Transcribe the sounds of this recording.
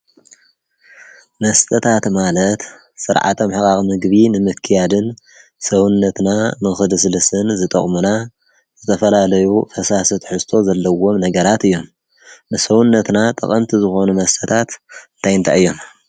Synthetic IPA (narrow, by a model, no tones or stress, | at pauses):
mɐst̪ʼɐt̪ʰat̪malɐt̪ | sɨɾʕa̰t̪ʰɐmħɨkaxmɨɡbinɨmɨkʰːijad̪ɨn | sɐwunːɐt̪namɨxɨd̪ɨs̬ɨlɨsɨnzɨt̪ʼɐ̰χʼmuna | z̥ɨt̪ʰɐfɐlalɐjufɐsasɐt̪ħɨst̪ʰo̞zɐlːɐwo̞mnɐɡɐɾat̪ɨjːo̞m | nɨsɐwunːɐt̪nat̪ʼɐ̰χʼɐmt̪ʰizɨxo̞numɐst̪ʼɐt̪ʰat̪ɨnt̪ʰajɨnt̪ʰaɨjːo̞m